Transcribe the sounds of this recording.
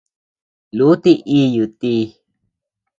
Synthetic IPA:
lu˨˦t̪i˦˧ʔi˧˦ju˨t̪i˧˦˧

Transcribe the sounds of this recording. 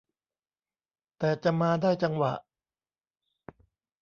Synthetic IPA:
t̪ɛː˨˩t͡ɕa˨˩maː˧daː˥˩jt͡ɕa˧ŋwa̰˨˩ʔ

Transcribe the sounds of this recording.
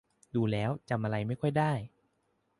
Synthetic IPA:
duː˧lɛː˦˥wt͡ɕa˧mʔa˧ɾa˧jma˥˩jkʰɔ˥˩jdaː˥˩j

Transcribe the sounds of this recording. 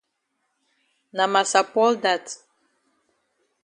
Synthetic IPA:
na˨ma˨sa˨pɔ˦lda˨t

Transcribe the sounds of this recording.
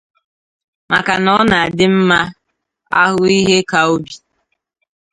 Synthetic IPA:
ma˨ka˨nɔ˦na˨a˨dɪ˦m̩˦ma˦ | a̰˦ɦʊ˦i˦ɦe˦ka˨o˦bi˨

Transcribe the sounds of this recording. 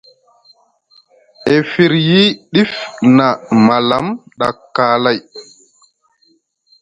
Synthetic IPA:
ʔe˨fi˨ɾji˦ɗi˦fna˨ma˨la˨˦mɗa̰˨kːaːla˦j

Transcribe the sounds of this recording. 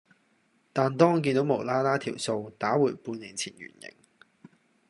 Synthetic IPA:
t̪aː˨nt̪ɔː˥ŋ˨k̬iː˧nt̪o˨˥wmo˨˩wlaː˥t̪aː˥t̪ʰiː˨˩wso˧wt̪aː˨˥wuː˨˩jpuː˧nliː˨˩nt͡sʰḭː˨˩njy̰ː˨˩njɪ̰˨˩ŋ

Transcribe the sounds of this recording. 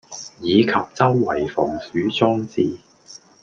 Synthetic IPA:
jiː˨˧kʰɐ˨p̚t͡sɐ˥wːɐ˨˩jfɔ̰ː˨˩ŋsyː˨˥t͡sɔː˥ŋt͡siː˨

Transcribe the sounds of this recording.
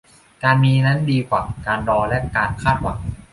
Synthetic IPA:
kaː˧nmiː˧na˦˥ndiː˧kʰwaː˨˩kaː˧nɾɔː˧lɛ˦˥kaː˧nkʰaː˥˩t̪̚wa̰˨˩˦ŋ

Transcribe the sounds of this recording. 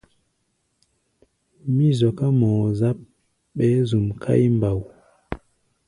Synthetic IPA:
mi˦zɔ˨ka˦mɔ˨za˦p̚ | ɓɛ˨˦zu˨mkʰa̰˦jmba˨w

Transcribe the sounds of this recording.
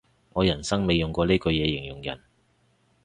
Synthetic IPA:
ŋɔː˨˧jɐ˨˩nsɐ˥ŋme˨˧jʊ˨ŋkʷɔː˨˧leː˥kɵ˨˧jɛː˨˧jɪ˨˩ŋjʊ˨˩ŋjɐ̰˨˩n

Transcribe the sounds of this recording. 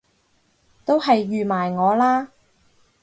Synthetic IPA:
t̪o˥wɦɐ˨jːyː˨maː˨˩jŋɔː˨˧laː˥

